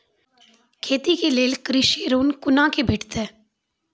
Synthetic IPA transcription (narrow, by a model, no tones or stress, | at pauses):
kʰeːt̪iːkeːleːlkəɾɪʃeːɾoːnkʊnãːkebʱɪʈʰt̪ɛː